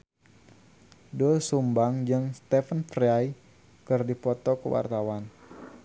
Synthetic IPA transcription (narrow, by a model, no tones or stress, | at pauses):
duəsumbaŋd͡ʒəŋst̪ɛfənfraj | kərdipɔt̪ɔkəwʔa̰rt̪awan